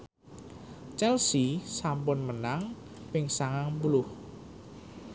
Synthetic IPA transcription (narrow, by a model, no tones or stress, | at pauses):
t͡ʃɛlsisampʊnmənaŋ | pɪŋsaŋaŋbulʊh